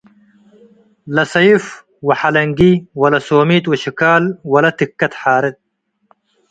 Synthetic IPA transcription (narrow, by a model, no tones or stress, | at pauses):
lɐsɐif | wɐħalɐŋɡiwɐlɐsoːmiːt̪wɐɕikaːlwɐlɐt̪ikːɐt̪ħaːɾɪt̪̚